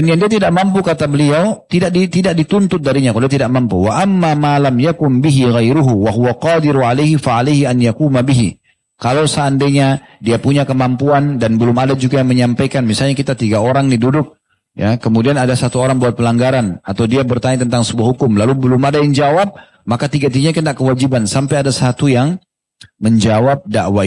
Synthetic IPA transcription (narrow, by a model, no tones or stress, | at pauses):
danjaŋdiat̪idaʔ̚mampukat̪abəliawt̪idaʔ̚dit̪idak̚dit̪ʊnt̪ʊt̪̚daɾiɲakadiat̪idaʔ̚mampuwaʔamːamalamjakʊnbiɦiɣajɾʊɦuwaɦuwaqɑːd̪ɪɾuʕalajɦifaʕalajɦianjakuːmabiɦi | kalosaːndeɲadiapuɲakəmampuandanbəlʊmadad͡ʒuɡajaŋməɲampajkanmisalɲakit̪at̪iɡaoɾaŋnidudʊk̚ | jakəmudianadasat̪uoɾaŋbuat̪̚pəlaŋɡaɾanat̪awdiabərt̪aɲat̪ənt̪aŋsəbuahɦukʊmlalubəlʊmadajaŋd͡ʒawap̚ | makat̪iɡat̪iɡaɲakənaʔkəwad͡ʒibansampajadasat̪ujaŋ | məɲd͡ʒawap̚daʔwa